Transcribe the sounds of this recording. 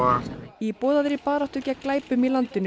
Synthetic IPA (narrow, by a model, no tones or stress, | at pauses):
aipɔːðaðɾɪpaːɾaht̪ʏcaklaːjpʏmilant̪ʏnːʏ